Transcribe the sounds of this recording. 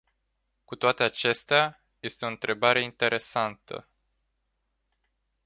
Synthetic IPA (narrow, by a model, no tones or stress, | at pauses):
kut̪oat̪e̞at͡ʃe̞st̪ea | je̞st̪eo̞ɨnt̪ɾe̞baɾe̞int̪e̞ɾʔe̞sant̪ə̰